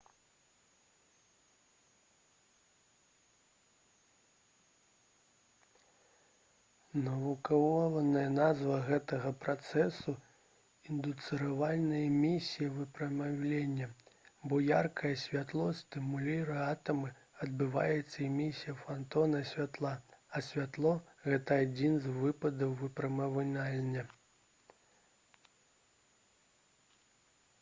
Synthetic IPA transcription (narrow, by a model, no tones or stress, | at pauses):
nɐvukavɔvɐnɐjɐnazvɐɣɛt̪ɐɣɐpɾat̪sɛsu | ind̪ut̪sɨɾavalʲnɨjɐmʲisʲijɐvɨpɾɐmawlʲenʲːɐbɔjarkɐjɐsʲvʲat̪lˠɔsʲt̪ɨmulʲiɾɨat̪ɐmɨ | ɐd̪̚bɨva̰jɛt̪sːɐimʲisʲijɐfant̪ɔnɐsʲvʲat̪lˠaɐsʲvʲat̪lˠɔɣɛt̪ɐad͡zʲinzvɨpɐd̪ɐwvɨpɾɐmɐvɨlʲalʲnʲɐ